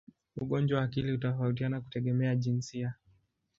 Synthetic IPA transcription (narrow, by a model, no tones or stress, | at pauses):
uɠɔnd͡ʒwawaːkiliutɔfautianaku̥tɛɠɛmɛaʄinsia